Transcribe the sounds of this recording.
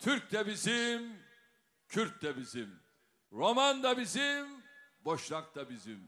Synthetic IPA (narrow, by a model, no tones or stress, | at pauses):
t̪ʰyɾc̚t̪ɛbizim | cʰyɾt̚t̪ɛbizim | ɾomand̪abizimboʃlˠak̚t̪abizim